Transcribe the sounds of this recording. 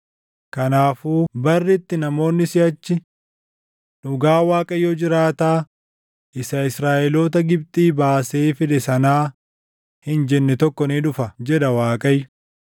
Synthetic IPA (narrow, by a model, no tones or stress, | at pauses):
kɐnaːfuːbɐrːɪt̪ːɪnɐmo̞ːnːɪsɪɐt͡ʃːɪ | ᶑʊɡaːwaːkʼɐjːɔd͡ʒɪɾaːt̪aː | ʔɪsɐɪsɾaːʔɛloːt̪ɐɡɪb̚t̪ʼiːbaːseːfɪᶑ̪ɛsɐnaː | hɪnd͡ʒɛnːɛt̪ɔkːɔniːᶑʊfɐd͡ʒɛᶑɐwaːkʼɐjːʊ